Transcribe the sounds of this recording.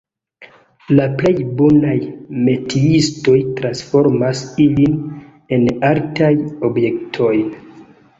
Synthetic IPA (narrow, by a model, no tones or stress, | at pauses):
laple̞jbonajme̞tʰiisto̞jtɾansfo̞ɾmasilin | e̞naltajo̞bje̞ktʰo̞jn